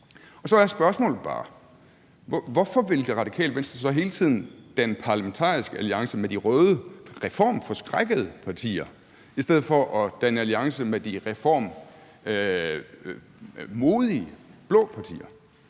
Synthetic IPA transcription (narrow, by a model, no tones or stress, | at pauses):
ɒ̽sɒjæsb̥ɶɐsmɔ̰ːlð̩ˠb̥ɑ̰̈ː | ʋɒfɒ̽ʋe̝ld̥e̝ʁɑ̈d̥ikʰɛ̰ːl̥ʋensd̥ɑsɒ̽ɦe̝ːlət͡sʰið̰ˠn̩d̥ænəpʰɑ̈ːləment͡sʰɑ̰̈ːisɡ̥əæliɑ̈ŋsəmed̥iʁœːðˠəʁɛfɒ̰ːmfɒ̽sɡ̥ʁaɡ̥əð̞̩ˠəpʰɑ̈t͡sʰḭːɐ | isd̥eð̞̰̩ˠfɒ̽ʔɒ̽d̥ænəæliɑ̈ŋsəmed̥iʁɛfɒ̰ːm | mo̝ːð̞ˠiəb̥lɔ̽ːpʰɑ̈t͡sʰḭːɐ